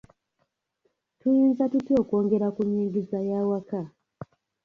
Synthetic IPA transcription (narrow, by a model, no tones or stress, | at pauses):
tujiːnzatuto̞ːko̞ːŋɡe̞ɾakuɲːiːɡizajaːwaka